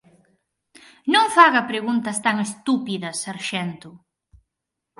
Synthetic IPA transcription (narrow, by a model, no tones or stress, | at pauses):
nõŋfaɣɐpɾeɣunt̪ɐst̪aŋest̪upiðɐsaɾʃɛnt̪ʊ